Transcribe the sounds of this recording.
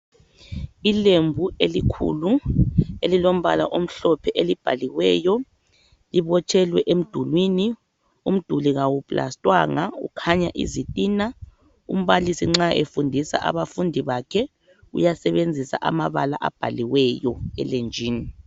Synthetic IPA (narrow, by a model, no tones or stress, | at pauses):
ilembʱuelikʰṵluelilom̩βala̰ʔom̩ɬɔpʰɛʔelib̥ʱa̰liwɛjɔ | liβɔt͡ʃʰʼɛlwɛʔem̩d̥ʱulwini | um̩d̥ʱuliɣawupʼla̰stʼwa̰ŋaṵkʰaɲa̰ʔḭzitʼiːna | ṵm̩βalisiŋ͡ǁaʔefundʱisa̰ʔa̰βafundʱiβakʰɛ | ṵjasɛβend͡zʱisa̰ʔa̰maβala̰ʔab̥ʱaliwɛjɔɛ̰lend͡ʒʱiːni